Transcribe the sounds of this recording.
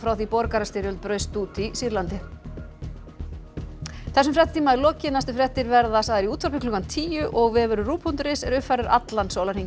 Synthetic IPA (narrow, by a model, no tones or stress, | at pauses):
fɾawθipɔɾkaɾast̪ɪɾʏlt̪̚pɾœːɥst̪uːt̪ʰisiɾlant̪ɪ | θɛsːʏmfɾɛht̪t̪ʰiːmaɛɾlɔːcɪnast̪ʏfɾɛht̪ɪɾvɛɾðasaðɛɾiuːt̪ʰfaɾpɪklɔːkant̪ʰiːjʏʔɔɣvɪvɛɾʏruːpʰunt̪ɾɪsɛɾʏhfaɾɪɾa̰t̪lansoːwlaɾ̥hiŋ